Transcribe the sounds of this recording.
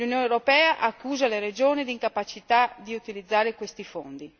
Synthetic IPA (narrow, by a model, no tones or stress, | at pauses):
unjoːnewɾopɛːaʔakːuːzaleɾed͡ʒoːnid̪iŋkapat͡ʃit̪ad̪iut̪ilid̪zːaːɾekwest̪ifo̰nd̪i